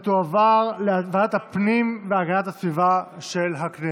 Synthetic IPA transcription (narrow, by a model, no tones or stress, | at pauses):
t̪uavaʁleavadat̪hapnimveaɡanat̪hasvivaʃe̞lɦakne